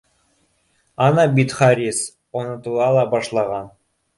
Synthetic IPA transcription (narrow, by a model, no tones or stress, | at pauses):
ɑnɑbit̪χɑɾʲis | onɤ̆t̪ulˠɑlˠɑbɑʃlˠɑʁɑn